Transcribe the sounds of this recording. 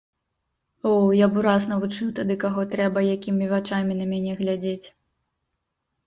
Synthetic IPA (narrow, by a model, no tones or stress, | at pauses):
ɔwjabuɾasnɐvut͡ʂɨwt̪ad̪ɨkaɣɔt̪ɾɛbɐjakʲimʲivat͡ʂamʲinɐmʲanʲɛɣlʲad͡zʲet͡sʲ